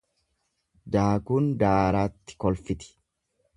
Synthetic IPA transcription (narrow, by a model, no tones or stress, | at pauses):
d̪aːkuːnd̪aːɾaːt̪ːɪ̥kɔlfɪt̪ɪ̥